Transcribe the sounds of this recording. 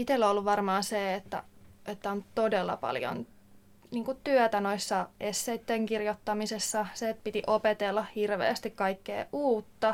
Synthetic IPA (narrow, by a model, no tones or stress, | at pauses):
it̪elːolːuʋʋɑrmɑːseːet̪ːæ̰ʔet̪ːæont̪odelːɑ̰pɑ̰ljo̰n | niːŋkut̪yœt̪æno̞isːɑʔesːeit̪ːeŋkirjot̪ːɑmisesːɑseːt̪̚pit̪iʔopet̪elːɑhirʋḛːst̪ikkɑikːḛːʔuːt̪ːɑ